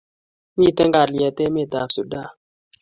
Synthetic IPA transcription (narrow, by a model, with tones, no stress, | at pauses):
mi˦˨tɛ˦ŋɡa˨ɾli˨ɛ˨te˦mi˦˨ta˨psu˨da˦˨